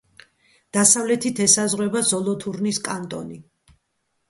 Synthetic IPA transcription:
d̪̥asavlɛt̪ʰit̪ʰɛsazʁwɛbazɔlˠɔt̪ʰuɾniskʼant̪ʼɔ̰ni

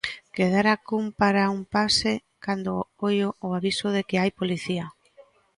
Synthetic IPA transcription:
keðaɾakumpaɾaumpase | kand̪opojoːaβisʊðekeajpoliθia

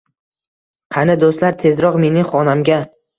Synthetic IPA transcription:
qʰɑnɪd̪ost̪laɾt̪ʰe̞zɾɒqme̞nɪŋχɒnamɡʲa

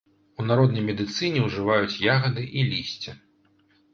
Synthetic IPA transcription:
unaɾɔd̪̚nɐjmʲɛd̪ɨt̪sɨnʲɛwʐɨvajut͡sʲjaɣɐd̪ɨʔilʲisʲt͡sʲɛ

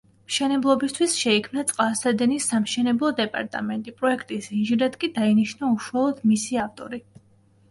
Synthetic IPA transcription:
mʃɛnɛblˠɔbist̪ʰwisʃɛikʰmnat̪sʼqʼasad̪ɛnisːamʃɛnɛblˠɔd̪ɛpʼa̰ɾt̪ʼa̰mɛnt̪ʼipʼɾɔɛkʰt̪ʼisinʒiɾat̪kʼid̪ainiʃnauʃwalˠɔd̪̥misiaft̪ʼɔ̰ɾi

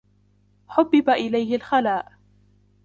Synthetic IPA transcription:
ħʊbːɪbaʔɪlajhɪlxalaːʔ

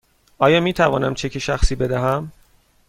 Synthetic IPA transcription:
ʔɒːjɒːmiːt̪ʰævɒ̰ːnæmt͡ʃʰe̞cʰeʃæxsiːbed̪æɦæm

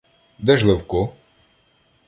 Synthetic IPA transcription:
d̪ɛʒlˠewkɔ

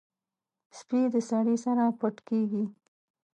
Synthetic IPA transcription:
spid̪əsɑɽisaɾapaʈkeɡi

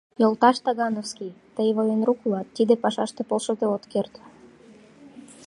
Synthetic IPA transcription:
jolt̪ɑʃt̪ɑɣɑnofskijt̪əjβəjenruklɑt̪ːid̪epɑʃɑʃt̪epolʃɤd̪eot̪kert̪

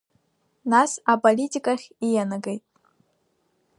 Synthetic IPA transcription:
nasapʼolʲitʲʼikʼaχʲijanaɡejtʼ

